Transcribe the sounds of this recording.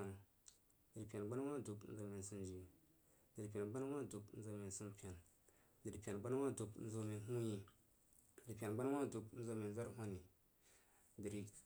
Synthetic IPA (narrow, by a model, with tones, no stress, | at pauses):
a˨ | di˨ɾpʲa˨nɡ͡ba˦n˦wa˦du˨kn̩˦zo˨me˨n˨su˦nd͡ʒi˨˦ | di˨ɾi˨p̬ʲa˨nɡ͡ba˦n˦wa˦du˨kn̩˦zo˨me˨su˦mpʲa˨n | di˨ɾpʲa˨nɡ͡ba˦n˦wa˦du˨kn̩˦zo˦me˨n˨ɦu˦ji˨ | di˨ɾi˨pʲa˨nɡ͡ba˦n˦wa˦du˨kn̩˦zo˦me˨n˦za˦ɾɦʷa˦ni˨˦ | di˨ɾi˨